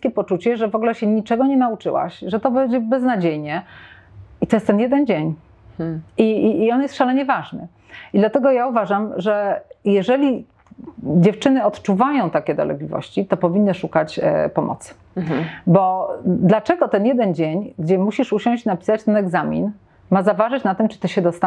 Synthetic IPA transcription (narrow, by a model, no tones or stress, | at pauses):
skʲeɛpɔt͡ʂut͡ɕɛʐɛvɔɡlɛɕɛɲit͡ʂɛɡɔɲɛnaut͡ʂɘ̰wa̰ɕʐɛt̪ɔbɛjd͡ʑɛbɛznad͡ʑejɲɛ | it̪ɔjɛst̪ɛnjɛd̪ɛnd͡ʑeɲ | iːɔnjɛst̪fʂalɛɲɛvaʐnɘ̰ | id̪lat̪ɛɡɔjauvaʐamʐɛjɛʐɛlʲi | d͡ʑɛft͡ʂɘnɘɔt̪t͡ʂuvajɔ̃w̃t̪akʲɛd̪ɔ̰lɛ̰ɡlʲivɔ̰ɕt͡ɕit̪ɔpɔvʲinːɨʂukat͡ɕpɔmʔɔ̰t̪s | bɔd̪lat͡ʂɛɡɔt̪ɛnjɛd̪ɛnd͡ʑeɲɡd͡ʑɛmuɕiʂuɕɔ̃ɕt͡ɕnapʲi̥sat͡ɕt̪ɛnɛɡzamʲḭn | mazavaʐɨt͡ɕnat̪ɘmt͡ʂɨ̥t̪ɔɕɛd̪ɔst̪a